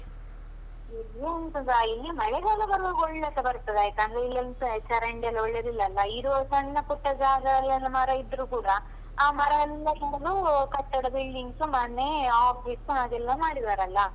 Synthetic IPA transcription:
ilːiɐnsɐnd̪ɐilːimɐɭɛɡɐlːɐbɐɾoːɡɔɭːɐtːɐbɐɾt̪ɐd̪eaːjt̪ɐnd̪ɾeilːɐlsɐt͡ʃɐɾɐɳɖɐlːɔɭːɐd̪ilːɐlːɐiɾosɐɳːɐpuʈːɐd͡ʒaːɡɐlːɐlːɐmaɾɐid̪ɾukuːɽɐ | aːmɐɾɐlːɐkɐːlukɐt̪ːɐɽɐbilɖiŋɡsumaːnːeaːb̚d͡ʒiʈsumaːɡ̪ɛlːɐmaːɽid̪aːɾɐlːɐ

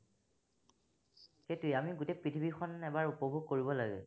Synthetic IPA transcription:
ketujamiɡutejpɹitʰibʱixʰɔnɛbaɹupɔbʱuɡ̚koɹibɔlaɡɛ̰

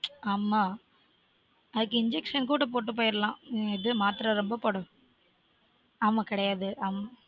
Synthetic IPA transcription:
aːmːaː | ɐðɯkːɪɲd͡ʒɛkʂɐnkuːɽɐp̬oːʈːɯp̬oːjɪɾɐlãːɪðɯmaːt̪ɪɾɐɾɔmbɐpoɽʊ̃ | aːmaːkɪɽɐjaːðɯʔaːmːa

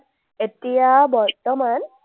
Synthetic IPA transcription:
etijabɔɾt̪ɔman

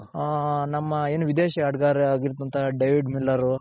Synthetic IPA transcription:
nɐmːɐeːnuʋid̪eːʃiaːɽɡaːɾiaːɡiɾt̪̬ːuɐnt̪ɐɖɐjʋiɖmilːɐɾu

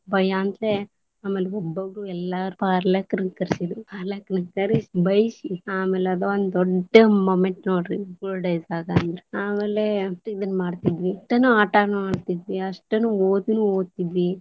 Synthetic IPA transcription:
bɐjaːnt̪le | aːmeːleɔbːɐɡuɛlːaːɾpaːɾlɐkːɐɾɐkɐɾisid̪upaːɾlɐkɐnɐkɐɾisibɐjsiaːmeːleɐd̪oond̪ɔɖːɐmoːmeɳʈnoːɽɾikulɖɐjsaːɡand̪ɐɾeaːmeːleʈid̪ɐnːmaːɖt̪id̪ʋiʈɐnuaːʈaːnmaːɽt̪id̪ʋiɐʂʈɐnuoːd̪unuoːɡt̪id̪ʋi

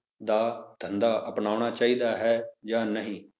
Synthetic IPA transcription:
d̪aːd̪̥ʱənd̪aːʔəpnaːʊɳ̃aːt͡ʃaːiːd̪aːɦɛːd͡ʒãːnəɦĩː

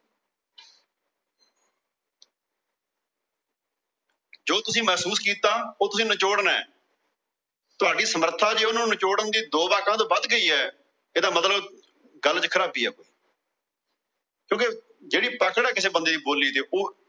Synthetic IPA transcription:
d͡ʒoːt̪ʊsĩːmɛːsuːskiːt̪aːoːt̪ʊsĩːnət͡ʃoːɽnɛ̰ː | t̪ʊaːɖiːsəməɾt̪ʰãːd͡ʒeːʊnãːnət͡ʃoːɽənd̪iːd̪oːbaːkãːt̪oːbəd̪ɡəiːɛː | eːd̪aːmət̪ləb | ɡəlːt͡ʃkʰəɾaːpiːɛ̰ːkoːiː | kjõːkɪ | d͡ʒeːɽiːpəkəɽɛːkɪseːbənd̪eːd̪iːboːlːiːt̪eːʔoː

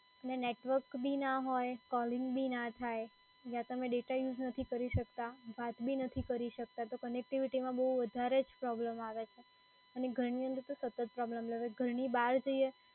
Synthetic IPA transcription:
əneneʈʋəɾkbʱinaɦojkɔlɪ̃ŋɡbʱinat̪ʰaj | jãt̪əmẽɖeʈajud͡ʒnət̪ʰikəɾiʃəkt̪aʋat̪bʱinət̪ʰikəɾiʃək̚t̪at̪okənek̚ʈiʋiʈimãbəɦuʋəd̪ʱaɾed͡ʒpɾɔbləmaʋet͡ʃʰe | əneɡʱəɾɳiənd̪əɾt̪osət̪ət̪̚pɾɔbləmləʋeɡʱəɾɳibaɾd͡ʒoie

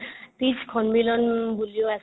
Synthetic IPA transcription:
t̪iskʰɔnmilɔnbulijoas

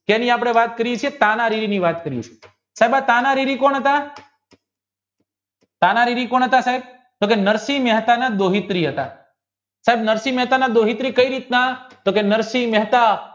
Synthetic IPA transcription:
kɛnĩap̬ɽ̃eʋat̪̚kəɾiet͡ʃʰiet̪ãnaɾiɾiniʋat̪kəɾijḛt͡ʃʰie | saɦebat̪anaɾiɾikoɳ̃ɦət̪a | t̪anaɾiɾikɔɳ̃ɦət̪asaɦeb̚ | t̪okenəɾsimɛɦt̪anad̪oɦit̪ɾiɦət̪a̰ | saɦebnəɾsimɛɦt̪anad̪oɦit̪ɾikəiɾit̪nat̪okenəɾsimɛɦt̪a

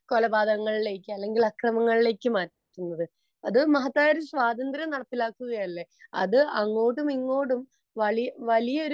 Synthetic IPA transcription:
ko̞lɐbaːd̪ʱɐɣɐŋːɐɭile̞ːkʲːɨɐlːe̞ŋɡilɐkrɐmɐŋːɐɭile̞ːkʲːɨmaː | tːunːɐðɨ | ɐðɨmɐɦɐt̪ːaːjɾusʋaːd̪ɐnd̪rʲjɐmnɐɽɐt̪ːilaːkːuɣɐjɐlːe̞ɐ̰ðɨɐŋːo̞ːɽumiŋːo̞ːɽum | ʋɐɭijʋɐlijɐoɾ

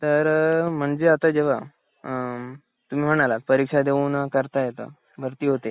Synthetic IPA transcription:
t̪əɾm̤əɳd͡ʑeat̪ad͡ʑeʋ̤a | t̪um̤iːm̤əɽ̃alat̪pəɾikʂad̪eʋunakəɾt̪ajet̪ə̰ | bʱəɾt̪iːɦot̪e

